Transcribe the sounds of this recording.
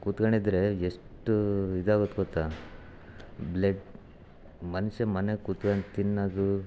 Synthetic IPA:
kut̪ɡɐɳid̪ɾe̞eʂʈuid̪aːɡot̪ːɡɔt̪ːa | bleɖ | mɐniʃɐmɐnekut̪kɐɳt̪inːɐd̪u

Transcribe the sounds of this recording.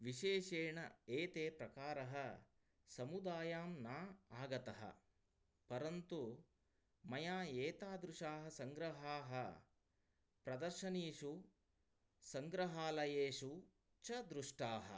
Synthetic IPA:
ʋiʃeːʃeːɳɐ̰eːt̪eːpɾɐkaːɾɐɦɐ | sɐmud̪aːjaːmnaːaːɡɐt̪ɐɦɐ̰ | pɐɾɐnt̪u | mɐjaːeːt̪aːd̪ɾuʂaːɦɐsɐŋɡɾɐɦaːɦɐ | pɾɐd̪ɐɾʃɐniːʂu | sɐŋɡɾɐɦaːlɐjeːʃu | t͡ʃɐd̪ɾuʂʈaːɦɐ̰

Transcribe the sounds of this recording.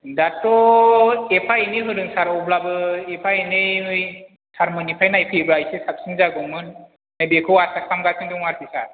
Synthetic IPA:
datːɔ | epʰajiniɦɯɾɯŋsaɾɔblabɯepʰajnɯɯj | sʰaɾmɯnipʰajnajpʰebɾajsesap̚siŋzaɡɯmɯnː | ɯbikʰɯwasak̚ʰamɡasʰɯŋdɯŋaɾpʰisa̰

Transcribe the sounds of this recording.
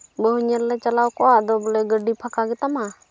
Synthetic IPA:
bəɦuɲəɾlɛt͡ʃalawkɔʔaʔd̪ɔblɛɡəɖipʰakaɡɛt̪ama

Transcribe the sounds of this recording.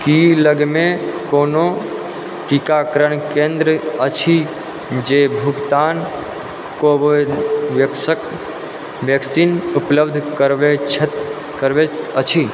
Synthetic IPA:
kiləɡmẽkono | ʈikakəɾəɳkẽnd̪ɾəət͡ʃʰi | d͡ʒebʱʊɡt̪an | koʋʋəksək | ʋjəksinʊpləbd̪ʱkəɾʋet͡ʃʰ | kəɾʋeət͡ʃʰi

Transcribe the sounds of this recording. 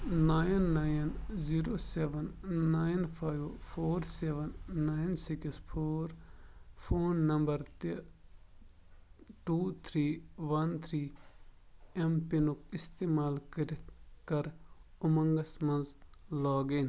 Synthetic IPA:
naːjnːaːjnziːɾoːseʋɐnːaːjnpʰaːjʋpʰoːɾseːʋɐnːaːjnsikspʰoːɾpʰoːnːɐmbɐɾt̪ | ʈuːt̪ʰɾiːʋɐnt̪ʰɾiː | empinukist̪eːmaːlkɐɾit̪kɐɾʊmɐŋɡɐsmɐ̃nzlaːɡin

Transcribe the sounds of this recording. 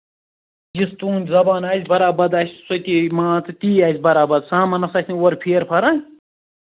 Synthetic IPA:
jist̪uːnʲzɐbaːnaːzʲbɐɾaːbɐd̪aːsʲsot̪imãːt͡sɨt̪iːaːzʲbɐɾaːbɐd̪saːmɐnɐsaːsʲniwɐɾpʰeːɾpʰɐɾã

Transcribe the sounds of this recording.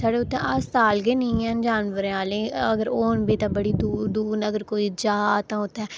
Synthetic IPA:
saːɽeːʊt̪ʰːẽʔast̪aːlɡeːnəĩːɛːnd͡ʒaːnʋəɾẽːaːlẽːəɡəɾoːnbiːt̪ãːbəɽiːd̪uːd̪uːnəɡəɾkoːiːd͡ʒaːt̪ãːʊt̪ʰːɛː

